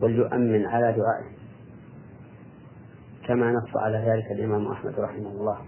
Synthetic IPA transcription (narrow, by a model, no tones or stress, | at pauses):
waljʊʔa̰mːɪnʕalaːd̪ʊʕa̰ːʔɪh | kamaːnɑqsˤɑ̰ʕalaːðaːlɪkalʔɪmaːmʔa̰ħma̰d̪ɾˤɑħɪmahʊlˤːɑːh